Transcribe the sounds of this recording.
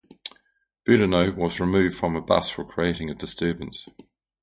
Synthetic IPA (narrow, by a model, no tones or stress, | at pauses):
b̥ʉɾənəʊwɒzɹɪmʉːvd̥fɹə̃məbʌ̰sfəkʰɹ̥ieɪtɪ̃ŋəvdɪstɜːbə̃nts